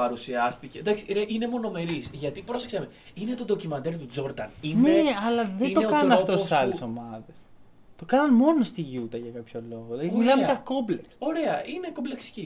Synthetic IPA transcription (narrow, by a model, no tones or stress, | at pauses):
ɐɾusiɐst̪ice̞d̪ɐksineʔine̞mo̞no̞me̞ɾisʝɐt̪ipɾo̞sekseme | ine̞t̪od̪o̞cimɐnd̪eɾit̪ud͡zo̞ɾd̪ɐnineɐlɐðenid̪onekɐnɐnɐoft̪osisɐleso̞mɐðes | t̪o̞kɐnɐnmo̞no̞st̪iʝut̪ɐʝɐkɐpço̞lo̞ɣolɐðimilɐmeʝɐko̞mble̞kso̞ɾe̞ɐine̞kombleksi̥ci